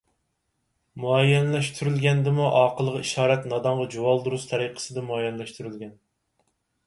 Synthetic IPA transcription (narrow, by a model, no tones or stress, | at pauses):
muɛjːɛnlɛʃt̪ʰyɾylɡʲɛnd̪ɪmuʔɑːqəlˠəʁɑiʃɑːɾɛt̪nɑd̪ɑɴʁɑd͡ʒuwɑlˠd̪uɾust̪ʰɛɾiqʰə̥sɨd̪ɛmuɑjɛnlɛʃt̪ʰyɾylɡʲɛn